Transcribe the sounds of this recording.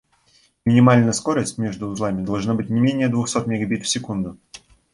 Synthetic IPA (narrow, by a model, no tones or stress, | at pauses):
mʲɪnʲɪmalʲnəjəskoɾəsʲtʲmʲeʐd̪ʊzlˠamʲɪd̪ɐlˠʐnabɨtʲnʲɪmʲenʲɪjəd̪vʊxsot̪mʲɪɡɐbʲit̪fʲsʲɪkund̪ʊ